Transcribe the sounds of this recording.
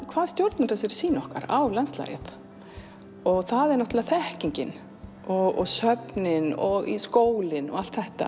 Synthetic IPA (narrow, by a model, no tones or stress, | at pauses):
kʰvaːðst̪jowɾt̪naɾas̬ɪɾ̥siːnɔhka̰ɾawlansla̰ːjɪ̰θ | ɔɣθaðɛɾnɔht̪ʏlaθɛhciɲcɪn | ɔɣɔ̰ɣsœpnɪnɔɣḭskoːwlɪnɔ̰ɣal̥t̪θɛht̪a̰